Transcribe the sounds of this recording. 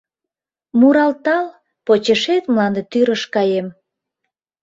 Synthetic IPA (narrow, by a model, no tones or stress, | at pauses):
muɾɑlt̪ɑl | pot͡ɕeʃet̪mlɑnd̪et̪yɾəʃkɑjem